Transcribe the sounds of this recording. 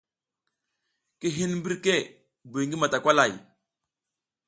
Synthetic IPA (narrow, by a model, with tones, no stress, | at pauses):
ki˦ɦi˦nm˦bi˦ɾke˦˨ | bu˨ŋɡi˦ma˨ta˨kʷa˦la˨j